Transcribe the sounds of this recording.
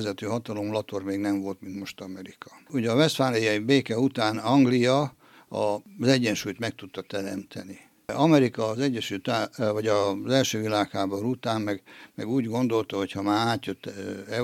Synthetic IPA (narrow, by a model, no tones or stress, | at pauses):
zɛt̪øːɦɒt̪ɒlo̞mlɒt̪ormeːɡnɛɱvo̞lt̪mint̪mo̞ʃt̪ɒmɛɾikɒ̥uɟɒvɛst̪faːnijɒibeːkɛut̪aːnɒŋɡlijɒ | ɒ̰zɛɟːɛnʃuːjt̪mɛk̚t̪ut̪ːɒt̪ɛɾɛmt̪ʰɛni | ɒmɛɾikɒːzɛɟːɛʃyːlt̪avɒɟɒzɛlʃøːvilaːkhaːboɾut̪aːmmɛɡmɛɡuːɟɡo̞nd̪o̞lt̪ɒɦo̞chɒmaːaːt̪jøt̪ːɛ